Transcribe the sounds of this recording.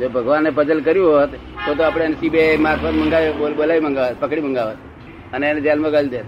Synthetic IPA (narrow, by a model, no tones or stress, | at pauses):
d͡ʒobʱəɡʋanːepəd͡ʒəlkəɾjũɦət̪ː | ot̪̬oapɽ̃enesibemaɾfʰət̪məŋɡaiobolaʋiməŋɡaʋət̪̚pəkɽiməŋɡaʋət̪ | əneened͡ʒɛlmaɡəld̪et̪